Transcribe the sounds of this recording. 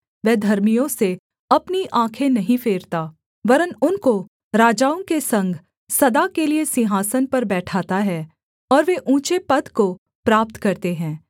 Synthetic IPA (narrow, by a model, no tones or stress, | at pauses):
ʋɛːd̪ʱɐɾmijõse | ɐpniʔãːkʰẽnɐɦĩfeːɾt̪aː | ʋɐɾənʊnko | ɾaːd͡ʒaːõkesɐ̃ŋɡʱ | sɐd̪akeliesɪ̃ɦaːsənpɐɾbɛːʈʰaːt̪aɦɛː | ɔːɾʋeʔũːt͡ʃepɐd̪ko | pɾaːp̚t̪kɐɾt̪eɦɛ̃ː